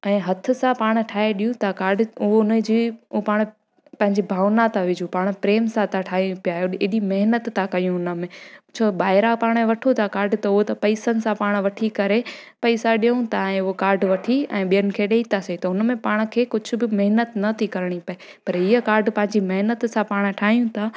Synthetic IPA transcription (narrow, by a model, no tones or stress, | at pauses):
ɛ̃ːɦɐt̪ʰʊ̆sãpaːɽ̃̆ʈʰaːɦeɗijũt̪akaːɾɖʊɦoʊnəd͡ʑiːopaːɽ̃ | pɐ̃ɦɪ̃ɲd͡ʑibʱaːʋnat̪ʰaʋɪd͡ʑupaːɽ̃pɾeːmsãt̪ʰaʈʰaːɦipijaoɪɗimɐɦnət̪ːakɐjũɦʊnə̆mẽt͡ɕʰobaːɪɾapaːɽ̃ẽʋɐʈʰot̪ʰakaːɾɖt̪ɐʊɦot̪ɐpɐɪsənɪ̆sãpaːɽ̃ʋɐʈʰikɐɾe | pɐɪsaɗijəũt̪ʰaɛ̃ːʊɦokaːɾɖʋɐʈʰiɛ̰̃ːɓijənɪ̆kʰeːɗeːit̪ʰaset̪ɐɦʊnəmẽpaːɽ̃̆kʰeːkʊd͡ʑʱʊ̆bɪmɐɦnət̪nɐt̪ʰikɐɾɽ̃ipɐe | pɐɾiːəkaːɾɖpɐ̃ɦɪ̃ɲd͡ʑimɐɦnət̪sãpaːɽ̃ʈʰaːɦijũt̪ʰaː